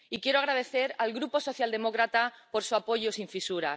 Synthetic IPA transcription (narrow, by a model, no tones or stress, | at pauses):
ikje̞ɾoaɣ̞ɾað̞e̞θe̞ɾalɣɾupo̞so̞θjald̪e̞mo̞kɾat̪apo̞ɾsuapo̞ʝo̞siɱfisuɾa̰